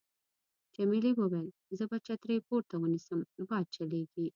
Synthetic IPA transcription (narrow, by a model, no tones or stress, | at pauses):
t͡ʃemiliwəwel | zəbat͡ʃat̪ɾejpoɾt̪awənisəmbɑːd̪̚t͡ʃɐleɡi